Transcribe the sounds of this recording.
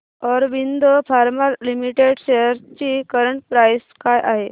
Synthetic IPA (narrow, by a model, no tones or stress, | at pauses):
ɔɾʋind̪ʱəfʰaɾmaɾlimiʈeɽɕejəɾt͡ɕikəɾəɳʈpɾajskajʔaɦe